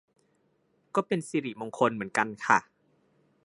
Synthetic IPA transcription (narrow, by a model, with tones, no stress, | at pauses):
kɔː˥˩pe˧nsiː˧ɾi˨˩mo˧ŋkʰo˧nmɯ˩˦ənka˧nkʰa˥˩